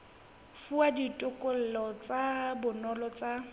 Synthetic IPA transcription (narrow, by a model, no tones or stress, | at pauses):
fuaditʼʊkʼol̩lɔt͡sabʊnɔlɔt͡sʼa